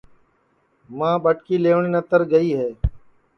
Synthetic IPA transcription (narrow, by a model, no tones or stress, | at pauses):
mãːɓəʈkiːleːʋɳeːnət̪əɾɡəiːɦeː